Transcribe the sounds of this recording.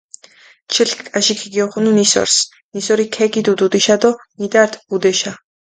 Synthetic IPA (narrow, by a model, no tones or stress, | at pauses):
t͡ʃʰilkʼaʃikʰiɡiɔχununisɔ̰ɾs | nisɔɾikʰɛɡid̪ud̪ud̪iʃad̪ɔnid̪aɾt̪ʰbud̪ɛʃa